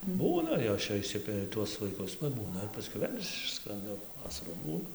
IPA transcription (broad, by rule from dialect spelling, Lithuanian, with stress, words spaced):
ˈbuːnɐ ˈjoːs t͡ʃʲɛ ɪʃʲˈsʲɪpʲɛrʲɪ tuɔs ʋɐɪˈkʊs pɐˈbuːnɐ ɪr pɐsʲˈkʲɛʊ ˈʋʲeːlʲ ˈɪʃskrɐndɐ ˈʋɑːsɐruː ˈbuːnɐ